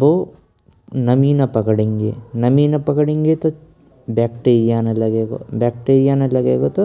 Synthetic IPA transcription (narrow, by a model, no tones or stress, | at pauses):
bo | nɐmiːnɐpɐkɐɽiŋɡḛnɐmiːnɐpɐkɐɽiŋɡet̪o | baːkʈeːɾijaːnɐlːɐɡeːɡo̰baːk̚ʈeːɾijaːnɐlːɐɡeːɡot̪u